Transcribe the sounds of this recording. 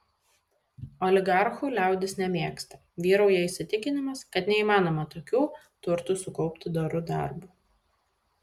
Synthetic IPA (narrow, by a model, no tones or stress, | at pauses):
ɔlʲɪɡɑɾxuːlʲæˑʊd̪ʲɪsnʲɛmʲeɛːkst̪ɐ̥ | ʋʲiːɾɐʊjɛɪsʲɪt̪ʲɪkʲɪnʲɪmɐskɐt̪nʲɛiːmɑːnoːmɐt̪oːkʲuː | t̪ʊɾt̪usʊkɔʊpʲt̪ʲɪd̪oɾʊd̪ɑ̰ˑɾbuː